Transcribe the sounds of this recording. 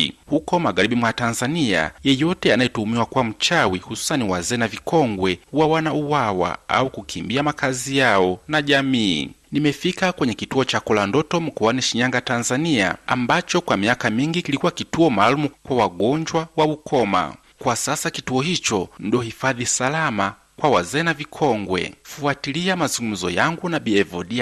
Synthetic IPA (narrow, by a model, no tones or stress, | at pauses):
hukɔmaɠaɾiɓimwatanzania̰jɛjɔtɛanajɛtuumiwakuwam̩t͡ʃawihusu̥saniwazɛːnavikɔŋɡwɛwawanauwawa̰a̰ukukʰimbiamakazijaɔnaʄamḭːnimɛfikakwɛɲɛkituɔt͡ʃakɔlandɔtɔm̩kɔwaniʃiɲaŋɡatanzania̰a̰mbat͡ʃɔkwamiakamiŋɡikilikuwakituɔmaːlumukwawaɠɔɲd͡ʒwawaukʰɔma̰ | kwasasakituɔhit͡ʃɔndiɔhifaðisalama | kwawazɛːnavikʰɔŋɡwɛ̰fuatiliamazuŋɡum̩zɔjaŋɡunaɓiɛvɔɗia